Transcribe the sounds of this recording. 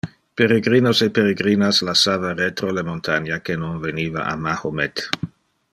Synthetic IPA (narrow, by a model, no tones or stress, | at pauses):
peɾeɡɾiːnosepeɾeɡɾiːnaslasaːvaret̪ɾolemont̪ʰanjakenonveniːva̰ʔa̰mahomet̪